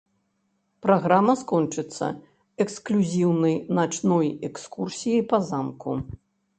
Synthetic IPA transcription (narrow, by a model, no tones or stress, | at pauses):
pɾaɣɾamɐskɔnt͡ʂɨt̪sːɐ̰ | ɛksklʲuzʲiwnɐjnat͡ʂnɔjɛkskursʲijɐjpɐzamku